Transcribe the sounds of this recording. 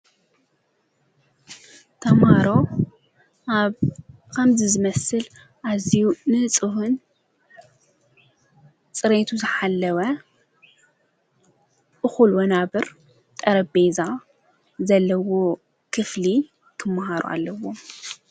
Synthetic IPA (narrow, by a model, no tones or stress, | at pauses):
t̪ʰɐmaɾo̞ | aβ | kʰɐmzɨzɨmɐsɨl | ʔazijunɨt͡sʼɨhun | t͡sʼɨɾet̪ʰuzɨħalːɐwɐ | ʔɨxulwɐnaβɨɾ | t̪ʼɐɾɐbeza | zɐlːɐwo | kʰɨfli | kʰɨmːɐhaɾṵʔa̰lːɐwo̞